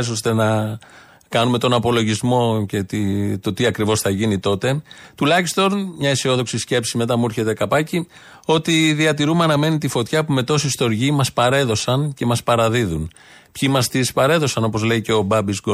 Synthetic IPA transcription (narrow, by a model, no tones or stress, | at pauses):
s̬ost̪e̞nɐ | kɐnume̞t̪o̞nɐpo̞lo̞ʝizmo̞ce̞t̪it̪o̞t̪iɐkɾivo̞sθɐʝinit̪o̞t̪e̞t̪ulɐçist̪o̞nmɲɐisio̞ðo̞ksisce̞psime̞t̪ɐmuɾçe̞t̪e̞kɐpɐci | o̞t̪iðiɐt̪iɾumeɐnɐme̞nit̪ifo̞t̪çɐpume̞t̪o̞sist̪o̞ɾʝimɐspɐɾe̞ðo̞sɐnce̞mɐspɐɾɐðiðun | pçimɐst̪ispɐɾe̞ðo̞sɐno̞po̞zle̞iceo̞bɐbizɡo